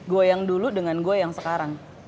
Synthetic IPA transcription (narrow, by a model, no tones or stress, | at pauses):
ɡuajaŋduludəŋanɡuajaŋsəkaɾaŋ